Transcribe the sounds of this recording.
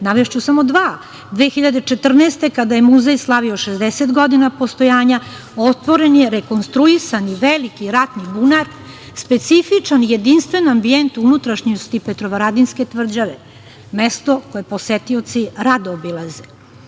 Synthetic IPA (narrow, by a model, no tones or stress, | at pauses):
naʋeʃt͡ɕusamo̞d̪ʋaː | d̪ʋeːxiʎad̪et͡ʃet̪r̩neːst̪e̞kad̪ajemuzejslˠaʋioʃezd̪eset̪ɡod̪inapost̪o̞jaːɲa | ot̪ʋoɾenjeɾeko̞nst̪ɾuisaniʋelikiɾat̪nibunaɾ | spe̞t̪sifit͡ʂanije̞d̪inst̪ʋe̞noambient̪uunut̪ɾaʃɲiust̪ipet̪ɾoʋaɾad̪inske̞t̪ʋr̩d͡ʑaʋe | mest̪okojeposet̪iot̪siɾad̪oobilaze